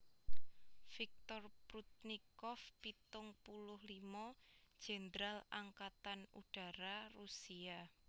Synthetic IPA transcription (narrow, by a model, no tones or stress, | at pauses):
fik̚t̪ɔrpɾut̪̚nikɔfpit̪ʊŋpulʊhlimɔ̥ʒ̥e̤nd̪ɾalaŋkat̪anṵɖ̥a̤ɾarusia